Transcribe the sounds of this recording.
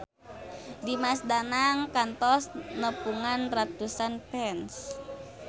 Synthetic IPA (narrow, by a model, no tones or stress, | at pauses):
dimasdanaŋkant̪ɔsnəpuŋanrat̪usanpɛns